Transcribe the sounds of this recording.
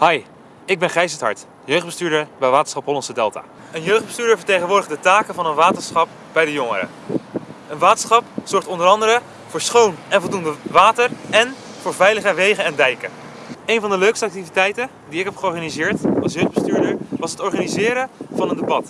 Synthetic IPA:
hɑj | ɪɡ̚bɛnχɛjsətɦɑ̰ɹt | jøɥχdbəstyːɹdəɹbɛjʋaːtə̥nsχɑpɦɔlɑnsədɛlˠta̰ː | ənjøɥχdbəstyːdəɹvəɹtejχənʋʊːɹdəχdətaːkənvɑnənʋaːtənsχɑp̚ | b̥ɛjdəjʊŋə̰ɾə̰ | ənʋaːtə̥sχɑpz̥ɔɹχtɔndəɾɑndəɾə | vʊːɹsχownɛnvɔlˠdundəʋaːtərɛnv̥ʊːɹvɛjləχəʋejχənɛndɛjkə | ejnvɑndəløɥkstəɑk̚tivitɛjtən | diɪkɦɛpχəɔɹχaːnizɪːɹtɑlˠs̬jøɥχdbəstyːɹdəɹʋɑsɦətɔɹχaːnizɪːɾəv̥ɑnəndebɑt

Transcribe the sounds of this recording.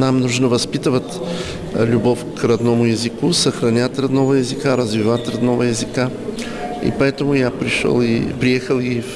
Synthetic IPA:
namnuʒnɐvɐspit̪vɐt̪ | lʲubɔfkɾɐd̪nɔmʊjɛzikusɐxɾɐnʲat̪ɾɐd̪nɔvɐjɛzikaɾɐzvivat̪ɾɐd̪nɔvɐjɛzika | ḭpoɛt̪omʊjapɾiʃlˠipɾiɛxəlˠif

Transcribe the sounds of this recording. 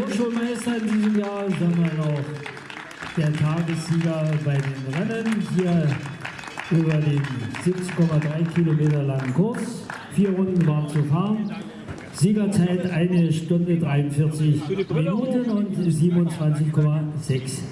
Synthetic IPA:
oʃoːmaɪstɐɪndiːzəmjaːzaːɡŋmanɔχ | d̥eːɐtʰaːɡəsz̥iːɡɐbaɪdeːnʁɛnənhiːɐ | ʔyːbɐdeːnzɪp̚t͡skʰɔmadʁaɪkʰilomeːtɐlaŋkʰʊɐt͡s | fiːɐʁʊndn̩vaːʁnt͡sufaːʁən | z̥iːɡɐt͡saɪtʔaɪnəʃtʊndədʁaɪʊnfɪɐt͡sɪçminuːtənʊntziːbənʊnt͡sv̥ant͡sɪçkʰɔmazɛks

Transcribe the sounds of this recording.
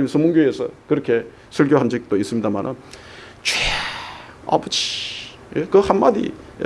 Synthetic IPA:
sʰɯmuŋɡjoesʰʌkɯɾʌkʰe̞ | sʰɯɭɡjoɦand͡ʑik̚t͈ois͈ɯmɲidama̰nʔɯ̰n | t͡ɕwe | a̰bɯd͡ʑi̥ | jekɯhanmadḭ

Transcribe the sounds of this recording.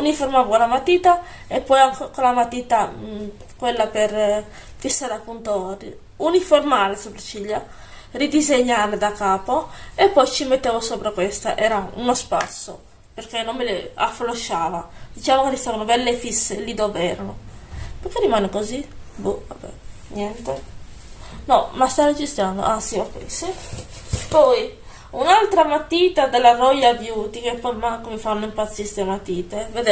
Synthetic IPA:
uniformavokolamat̪iːt̪a | epːɔjaŋkokolamat̪iːt̪a | kwelːaper | fisːad̪apːunt̪ori | uniformaːlesopɾat͡ʃiʎːa | rid̪izeɲːaɾed̪akaːpoepːɔjt͡ʃimet̪ːeːvosopɾakwest̪a̰ʔɛːɾaṵnospat̪sːo | perkenːomːelea̰floʃaːvad̪̥it͡ʃaːvokerist̪aːvanobɛlːefisːelid̪ovɛːɾanopekerimaːnekozibuvabɛ̰ | njɛnt̪e | nɔmast̪aɾed͡ʒist̪and̪o̰ʔasiakḭsi | pɔj | unalt̪ɾamat̪ːiːt̪ad̪elːarɔjavjuːt̪ikepːɔjmaŋkomefanːoimpat̪sːist̪emat̪ːiːt̪eved̪e

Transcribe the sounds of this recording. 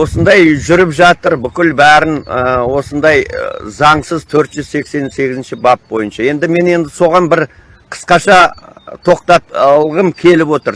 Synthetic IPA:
wo̞sənd̪ɑjʒʏɾɪpʒɑt̪əɾbʏkʲɪlbæɾɪnəwo̞sənd̪ɑjzɑɴsəzt̪ʰɵɾt̪ʒ̥ʏzse̞kse̞nse̞ɡʲɪzɪnʃɪbɑp̚bo̞jənʃɑje̞nd̪ɪme̞ne̞nd̪ɪso̞ʁɑnbɪɾ | qʰə̥sqɑʃɑt̪ʰo̞qt̪ɑplˠʁəmkʲʰe̞lɪpwo̞t̪əɾ

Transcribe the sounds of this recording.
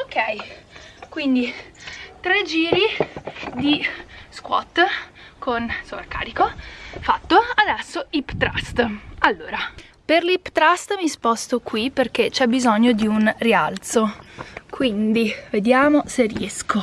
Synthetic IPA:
okːɛj | kwind̪it̪ɾed͡ʒiːɾid̪iskwɔ̰t̪ːkʰonsorka̰ːɾikofat̪ːoad̪ɛsːoipt̪ɾa̰st̪alːoːɾa | perlipt̪ɾast̪mispɔst̪okwiperk̟et͡ʃɛbːizoɲːod̪iunria̰lt̪sokwind̪ived̪jaːmoseriɛsko

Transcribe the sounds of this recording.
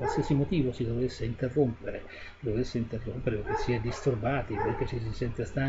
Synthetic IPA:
walsiasimot̪iːvosid̪ovesːeint̪erːompeɾḛ | sid̪ovesːeint̪erːompeɾepokːesiɛd̪ist̪urbaːt̪ipojk̟esis̬isɛnt̪est̪a

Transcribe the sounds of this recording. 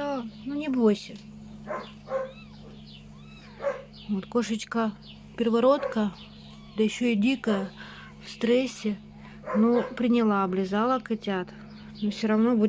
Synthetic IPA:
anunʲɪbosʲɪ | vot̪koʂət͡ɕkə | pʲɪrɪvɐɾo̞t̪kə | d̪əjɪɕːoidʲikəjə | fst̪ɾɛsʲːɪ | nopɾʲɪnʲɪlˠaɐblʲɪzalˠəkɨtʲat̪ | nofsʲoɾɐvnobu

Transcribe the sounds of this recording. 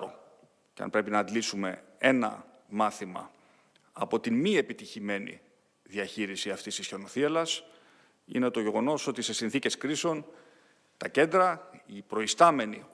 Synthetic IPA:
o | ceɐ̰npɾe̞pinɐːd̪lisume̞̰e̞nɐ̰ | mɐθimɐ̰ | ɐpo̞t̪imie̞pit̪içime̞nḭ | ðiɐçiɾisiɐft̪ist̪isço̞noθiɐlɐs | ḭne̞t̪o̞ʝe̞ɣo̞no̞so̞t̪ise̞sinθice̞skɾiseo̞n | t̪ɐce̞nd̪ɾɐipɾo̞ist̪ɐme̞ni

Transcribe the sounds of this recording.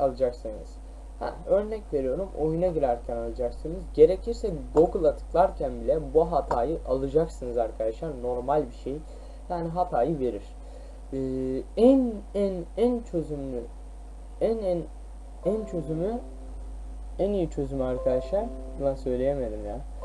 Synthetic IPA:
alˠɯd͡ʒaksɯnɯ̰z̥ | hɛ̰ø̞ɾnɛcve̞ɾijo̞ɾumʔo̞junaɟiɾæɾcʰænalˠɯd͡ʒaksɯnɯzɟe̞ɾe̞cʰiɾsɛɡo̞ɡulˠat̪ʰɯ̥klˠaɾcʰænbilʲɛbuɦat̪ʰaːjɯʔalˠɯd͡ʒaksɯnɯzaɾkʰad̪aʃlˠaɾno̞ɾmalʲbiʃej | jaːniɦat̪ʰaːjɯve̞ɾiɾ̥ | ɯːænænænt͡ʃʰøzymlʲy | ænn | ænt͡ʃʰø̞zymy | ænijit͡ʃʰø̞zymyaɾkʰad̪aʃˠaɾ̥ | bunˠasø̞jlʲejeme̞d̪imjaː

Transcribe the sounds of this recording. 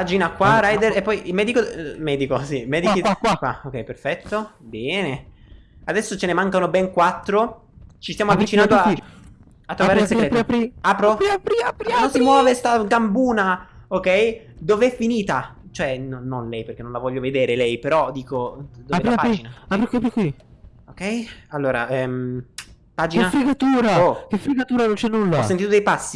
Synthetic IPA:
pad͡ʒinakwaɾajd̪eɾepːɔjʔilmɛːd̪ikomɛːd̪ikosimɛːd̪ikiakwaokːɛjperfɛt̪ːobɛːne | ad̪ɛsːot͡ʃenemaŋkanobɛŋkwat̪ːɾo | t͡ʃist̪jamoavːit͡ʃinand̪oa | at̪ːɾovaɾeiseɾeːapɾo | nonsimwɔːvest̪aɡambuːnaokɛj | d̪oveɛfːiniːt̪a | t͡ʃoɛnonnonlɛjpeɾrk̟enːõnlavɔʎːoved̪eːɾelɛjpeɾɔd̪iːkod̪oeapad͡ʒinaapɾikpɾikwi | okɛjalːoːɾa̰ɛm | paːd͡ʒineafɾiɡat̪uːɾaokefɾiɡat̪uːɾanont͡ʃɛnːulːɔsːent̪it̪od̪ejpasːi

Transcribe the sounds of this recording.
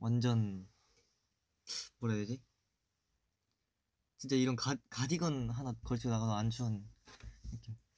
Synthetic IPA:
wʔand͡ʑʌn | mwʌɾaed͡ʑi | t͡ɕʰint͡ɕ͈aiɾʌnkakad͡ʑiɡʌnɦanakʌɭt͡ɕʰinaɣadoant͡ɕʰuan | ik͈io

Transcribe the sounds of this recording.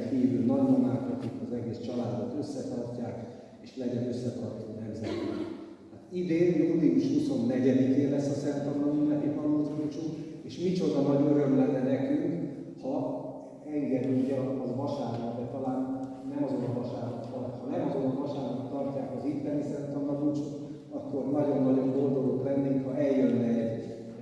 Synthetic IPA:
chiːvylnɒɟnimaːt̪ːɛk̪ikɒzɛɡeːst͡ʃɒlaːd̪ot̪ø̞sːɛt̪ɒrcːaːk | eːʃlɛɟɛnøsːɛt̪ɒrt̪t̪nɛmzɛt̪i | aːt̪id̪eːnud̪iuʃhuso̞nːɛɟɛd̪ikeːlɛsːɒsɛnt̪omnɒɟimɛt̪ipɒlozikut͡ʃueːʃmit͡ʃo̞d̪ɒnɒɟøɾø̞mlɛnɛnɛkyŋk | hɒ | ɛŋɡɛd̪yluɟɛːʋɒʃaːrlɔd̪ɛt̪ɒlaːnː | ɛmɒzo̞nɑvɒʃaːɾott̪ɒrt̪hɒnɛmɒzonɒvɒʃaːɾɔt̪ːɒrcaːkɒzit̪ːɛnisɛnt̪ɒmlɒdut͡ʃut | ɒkːo̞rnɒɟo̞nːɒɟo̞ŋɡo̞nd̪o̞loːk̪rɛnd̪eːŋk̪hɒɛjjːønːɛɟ

